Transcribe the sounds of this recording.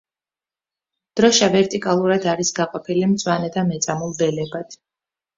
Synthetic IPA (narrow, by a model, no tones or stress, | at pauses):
d̪̥ɾɔʃavɛɾt̪ʼikʼalˠuɾad̪aɾisɡaqʼɔpʰilimt̪sʼwanɛd̪amɛt̪sʼamulˠbɛlɛbat̪ʰ